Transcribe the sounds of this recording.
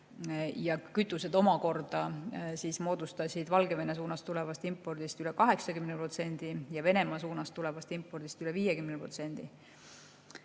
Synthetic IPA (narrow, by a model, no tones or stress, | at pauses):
jɑkyt̪ːˑuse̞d̪o̞mɑko̞rd̪̥ɑsiːsmo̞ːd̪̥ust̪ɑsʲid̪vɑlɡe̞ve̞ne̞suːnɑst̪ule̞vɑst̪impːˑo̞rd̪̥ist̪yle̞kɑɦe̞ksɑkymneprot̪se̞nʲd̪̥ijɑve̞nemɑsuːnɑst̪ːule̞vɑst̪impːˑo̞rd̪̥ist̪yle̞viːjekymnepro̞t̪se̞nd̪̥i